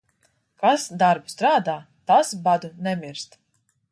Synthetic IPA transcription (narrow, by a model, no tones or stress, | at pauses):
kasd̪aɾbu̥st̪ɾaːd̪aː | t̪asbad̪unɛmʲiɾst̪